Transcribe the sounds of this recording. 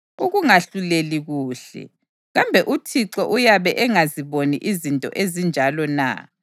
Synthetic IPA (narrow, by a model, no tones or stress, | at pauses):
uɣuŋaɬuleliɣuːɬɛ̰ | ɣambʱɛʔutʰiǁɔʔujaβɛʔɛŋaziβoniʔizintʼɔ̰ʔezind͡ʒʱalɔna̰